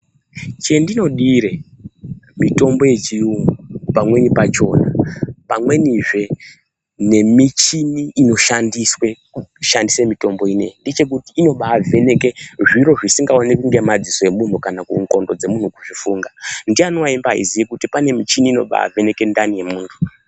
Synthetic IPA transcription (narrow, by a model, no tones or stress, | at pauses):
t͡ʃe̞ndino̞ɗiɾe | mito̞mbo̞je̞t͡ʃiuŋpamwe̞nipat͡ʃo̞ːnapamwe̞niʐe̞ | ne̞mit͡ʃiniːno̞ʃandiswe̞ | uʃandisemito̞mbo̞ine̞̰indet͡ʃe̞k̬utiːno̞ɓaːve̞ne̞keʐiɾo̞ʐisiŋɡao̞nekuŋɡe̞mad͡ziso̞je̞mun̤ukanakṵŋko̞ndo̞d͡ze̞mun̤ukuʐifuːŋɡandianowaimbaa̰ḭzijikutipane̞mit͡ʃiniːno̞̰ɓa̰a̰ve̞ne̞ke̞ndanije̞muːntʰu̥